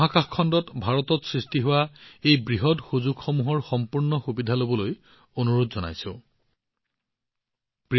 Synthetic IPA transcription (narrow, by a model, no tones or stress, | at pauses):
ɦakaxkʰɔndɔtbʱaɹɔtɔtsɹistiɦʊwaejbɹiɦɔtxuzuɡxɔmuɦɔɹxɔmpuɹnɔxubidʱalobɔloj | onuɹodzɔna̰jsʊ̰̃ | pi